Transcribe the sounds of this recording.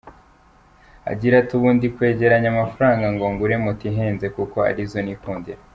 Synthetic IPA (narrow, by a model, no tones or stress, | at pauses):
a̰ɟiɾatuβuːndikwe̞ːɟe̞ɾaɲamafaɾaːŋɡaŋɡoŋɡuɾemutiɦeːnze̞kukoa̰ɾizo̞nikuːndiɾa